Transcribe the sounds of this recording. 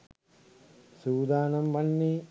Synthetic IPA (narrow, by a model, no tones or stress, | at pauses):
suːd̪aːnɐmʋɐnːeː